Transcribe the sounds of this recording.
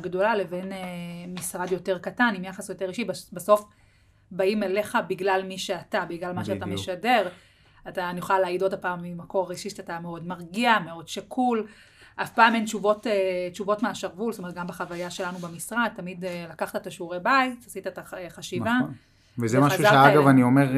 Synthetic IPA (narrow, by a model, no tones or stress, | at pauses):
ɡdo̞lale̞ve̞nemisʁadjo̞te̞ʁkatanimjaχasjo̞te̞ʁiʃibbeso̞f | baimele̞χabiɡlalmiʃeatabiɡlalmaʃeat̪ameʃade̞ʁ | atanijuχaleaːidodapaːmimako̞ʁiʃiʃatameo̞dmaʁɡiame̞odʃakʰul | ʔafpaːment͡ʃuvo̞tet͡ʃuvotmeaʃaʁvulstomet̚ɡambeχavajaʃe̞lanubemisʁad̪̚tːamidlakaχt̪aetaʃuʁebaitasitaetaχaʃinvan | vezemaaʃuʃaeaaɡavaniomeʁ